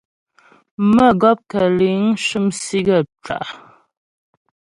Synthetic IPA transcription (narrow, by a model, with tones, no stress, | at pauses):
mə˦˨ɡɔ˦p̚kə˨li˨˦ŋʃɨ˦˨msi˦ɡə˦˨ʈ͡ʂa̰˨ʔ